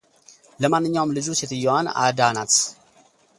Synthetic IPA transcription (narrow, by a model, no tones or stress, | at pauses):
ləmanːɨɲːawmlɨd͡ʒuset̪ɨjːowana̰d̪anat̪